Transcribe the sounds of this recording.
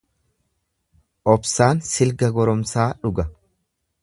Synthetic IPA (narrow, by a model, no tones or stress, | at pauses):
ʔɔbsaːnsɪlɡɐɡɔɾɔmsaːᶑʊɡɐ